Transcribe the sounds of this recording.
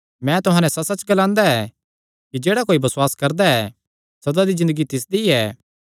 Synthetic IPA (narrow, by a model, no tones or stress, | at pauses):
mɛ̃t̪ʊɦãːnɛsɐsɐt͡ʃɡɐlãːnd̪aɛ | kid͡ʒeːɽakoːibɐswaːskɐɾd̪aɛ | sɐd̪ad̪izɪ̃nd̪əɡit̪ɪs̬d̪iɛː